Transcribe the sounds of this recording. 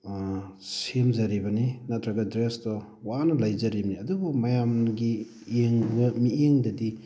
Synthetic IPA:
semzɐɾibɐninatʰɾɐɡɐdɾestɔ | wanɐlajzɐɾibɐniɐdubumɐjamɡi | eŋbɐmieŋdɐdi

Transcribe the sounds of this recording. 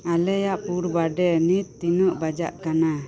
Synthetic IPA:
alɛjaʔpuɾbaɖɛnit̪ːinəʔbad͡ʒa̰ʔkana

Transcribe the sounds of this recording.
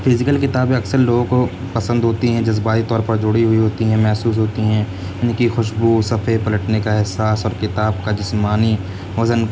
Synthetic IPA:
pʰɪzɪkəlkɪt̪aːbẽɐksəɾloːɡõko | pɐsə̃nd̪ɦoːt̪iɦɛ̃d͡ʒɐzbaːit̪ɔːɾpɐɾd͡ʒʊɽiɦʊiɦoːt̪iɦɛ̃mɛɦsuːsɦoːt̪iɦɛ̃ː | janikixʊʃbusɐpʰepɐləʈnekaɦɪɦsaːsɔːɾkɪt̪aːb̚kad͡ʒɪsmaːni | ʋɐzən

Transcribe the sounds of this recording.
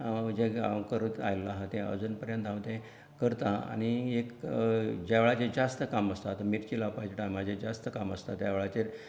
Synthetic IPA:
d͡ʑẽa̰ʋkəɾut̪a̰jlːaɦat̪ɛ̃ə̰d͡zuːnpəɾjənt̪aʋt̪ɛ̃ | kəɾt̪aa̰ɽ̃iek | d͡ʑaʋeɭat͡ɕed͡zast̪əkaməst̪at̪miɾt͡ɕilaʋpat͡ɕʈamad͡ʑed͡zast̪əkaməst̪at̪jaʋɭat͡ɕe

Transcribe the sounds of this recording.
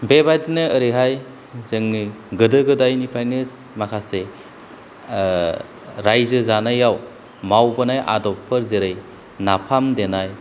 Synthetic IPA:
bebadinɯːɾiɦaj | zɯŋniɡɯdɯɡɯdajnipʰajnes | makʰase | ɾajzɯzanajaw | mawbɯnajʔa̰dɔpʰːɯɾzeɾɯj | napʰamdenaj

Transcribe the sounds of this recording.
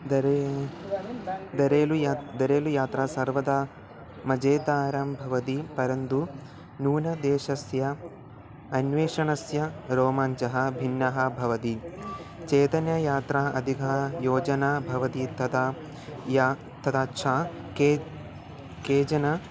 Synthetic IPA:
d̪ɐɾ | d̪ɐɾeːlujad̪ɐɾeːlujaːt̪ɾaːsɐɾʋɐd̪aː | mɐd͡ʒeːt̪aːɾɐmbʱɐʋɐt̪ipɐɾɐnd̪u | nuːnɐd̪eːʃɐsjɐ | ɐnʋeːʂɐɳɐsjɐɾoːmaːɲt͡ʃɐɦɐ̆bʱinːɐɦɐ̆bʱɐʋɐt̪i | t͡ʃeːt̪ɐnjɐjaːt̪ɾaːʔɐd̪ʱikɐjoːd͡ʒɐnaːbʱɐʋɐt̪it̪ɐt̪a | j | t̪ɐt̪ʰaːt͡ʃʰaː | kː | keːd͡ʒɐnɐ

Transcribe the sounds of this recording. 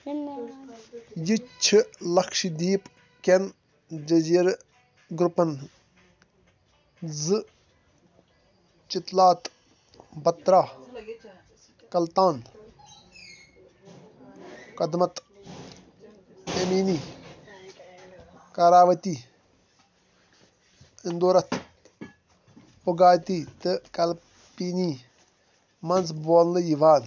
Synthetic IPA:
jit͡ʃʰilɐkʰʃid̪iːp | ken | d͡ʒɐziːɾ | ɡɾupːɐn | zɨ | t͡ʃit̪laːt̪ | bɐt̪ɾaː | kɐlt̪ãːn | kɐd̪mɐt̪ | emiːniː | kaːɾaːʋɐt̪iː | ind̪oːɾɐt̪ʰ | oɡaːt̪iːt̪ɨkɐl | piːniː | mɐnzboːllɨjiʋaːn

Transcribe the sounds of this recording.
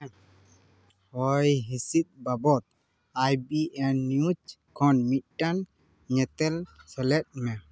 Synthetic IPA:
hɔjɦisit̪̚babɔt̪̚ | ajbiʔɛnːjut͡ʃkʰɔnmiʈːan | ɲɛt̪ɛlsɛlet̚mɛ

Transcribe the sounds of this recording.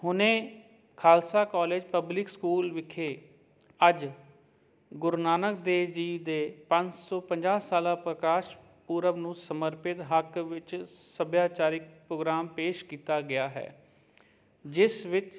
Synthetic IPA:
ɦʊnẽː | kʰaːlsaːkɔːleːd͡ʒpəblɪkskuːlʋɪkʰeː | əd͡ʒ | ɡʊɾnaːnək̚d̪eːd͡ʒiːd̪eːpə̃ɲt͡ʃsɔːpəɲd͡ʒaːsaːlãːpɾəkaːʃ | puːɾəʋnũːsəməɾpɪt̪ɦəkʋɪt͡ʃsəbjaːt͡ʃaːɾɪk̚pɾoːɡɾaːmpeːʃkiːt̪aːɡɪaːɦɛ̰ː | d͡ʒɪsʋɪt͡ʃ

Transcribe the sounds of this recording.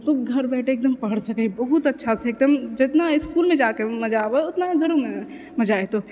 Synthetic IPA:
t̪oɡʱɐɾbɛːʈʰeːk̚d̪əmpəɦəɽsəkəibɐɦut̪ɐtːʃʰasɛeːk̚d̪əmd͡ʒɪt̪naɪskuːlmẽd͡ʒakemɐd͡ʒaːʋeʊt̪naɡʱɐɾõme | mɐd͡ʒaːet̪o

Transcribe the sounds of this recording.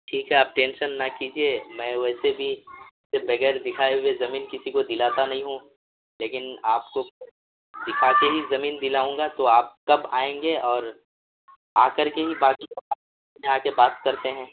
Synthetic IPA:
ʈʰiːkɦɛaːp̚ʈẽːnʃənːɐkiːd͡ʒiemɛ̃ːʋɛːsebʱisebɐɣɛːɾd̪ɪkʰaːeɦuezɐmiːnkɪsikod̪ɪlaːt̪anɐɦĩɦũ | leːkɪnaːpko | d̪ɪkʰaːkeɦizɐmiːnd̪ɪlaːũːŋɡat̪oaːp̚kɐbaːẽːŋɡeɔːɾ | aːkəɾkeɦibaːkiɐaː | ẽaːkebaːt̪kɐɾt̪eɦɛ̃ː

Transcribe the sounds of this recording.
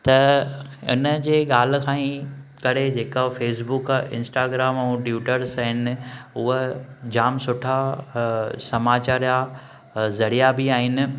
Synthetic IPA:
t̪ɐʊ̰nə̆d͡ʑeːɠaːl̤̆kʰãːĩkɐɾed͡ʑeːkafeːsbʊkɪ̰̃nsʈaːɡɾaːmɛ̃ʈjuːʈəɾsɦɪnɪ̆ʊɦəd͡ʑaːmsʊʈʰa | sɐmaːt͡ɕaːɾja | zɐɽijabɪaːɦɪnɪ̆

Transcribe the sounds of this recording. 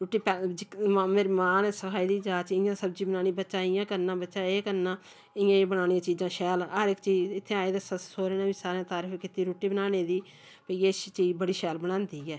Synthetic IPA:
ɾoːʈːiːpɛd͡ʒɪkːmɪɾmaːnɛsəkʰaːiːd̪iːd͡ʒaːt͡ʃɪjãːsəbd͡ʒiːbənaːñiːbətːʃãːɪjãːkəɾnãːbətːʃãːeːkəɾnãː | ɪjãːeːbəɽaːnijãːt͡ʃiːd͡ʒãːʃɛːləɾɪkt͡ʃiːd͡ʒɪt̪ʰːeːaːeːd̪eːsəsoːɾeːnãːbiːsaːɾẽãːt̪aːɾəfʰkɪt̪iːɾoːʈiːbənaːneːd̪iː | pəiːest͡ʃiːd͡ʒbəɽiːʃɛːlbəɽ̃ãːnd̪iːɛː

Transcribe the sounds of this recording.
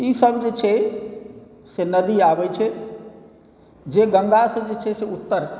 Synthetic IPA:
isəbd͡ʒet͡ʃʰɛ | senəd̪iabɛt͡ʃʰɛ | d͡ʒeɡə̃ŋɡasə̃d͡ʒet͡ʃʰɛseut̪ːəɾ

